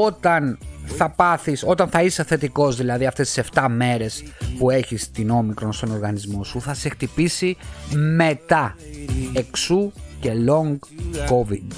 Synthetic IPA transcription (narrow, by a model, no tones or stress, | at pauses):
o̞t̪ɐnθɐpɐθiso̞t̪ɐnθɐiseθe̞t̪iko̞zðilɐðiɐft̪e̞st̪i̥se̞ft̪ɐme̞ɾe̞spue̞çist̪ino̞mikɾo̞nst̪o̞no̞ɾɣɐnizmo̞suθɐse̞xt̪ipisimet̪ɐ | e̞ksuce̞lo̞ŋɡko̞vid̪